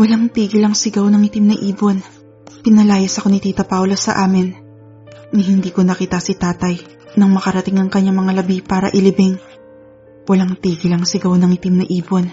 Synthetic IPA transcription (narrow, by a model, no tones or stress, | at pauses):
wɐlaŋt̪iːɡɪlɐŋsɪɡawnɐŋɪt̪ɪmnɐʔiːbo̞n | pɪnɐlaːjɐsɐko̞nɪt̪iːt̪ɐpawlɐsɐ̰ʔaːmɪnː | ɪhɪnd̪iːko̞nɐkiːt̪ɐsɪt̪aːt̪ɐj | nɐŋmɐkɐɾɐt̪ɪŋɐŋkɐɲːamɐŋalɐbipaːɾɐ̰ʔɪlɪbɪŋ | wɐlaŋt̪iːɡɪlɐŋsɪɡawnɐŋɪt̪imnɐʔiːbo̞n